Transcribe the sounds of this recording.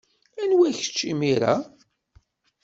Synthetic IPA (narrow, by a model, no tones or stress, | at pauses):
ænwæçə̥t͡ʃːimiɾa̰